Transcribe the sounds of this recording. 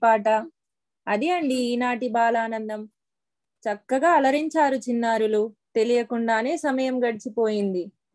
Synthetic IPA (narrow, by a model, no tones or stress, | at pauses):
aːʈɐ | ɐd̪iɐɳɖiːnaːʈibaːlaːnɐnd̪ɐm | t͡ʃɐkːɐɡaːɐlɐɾiɲt͡ʃaːɾut͡ʃinːaːɾulut̪e̞lijɐkuɳɖaːne̞ːsɐmɐjɐmɡɐɽit͡ʃipo̞ːjind̪i